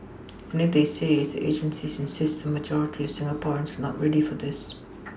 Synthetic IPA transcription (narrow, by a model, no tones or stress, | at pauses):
ə̃nɪfðesezðiʔḛɪd͡ʒə̃nsizɪ̃nsɪstðəməd͡ʒɔɹɪtʰiəv̥sɪ̃ŋəpʰɔɹ̃nsə˞nəʔɹɛdifə˞ðɪs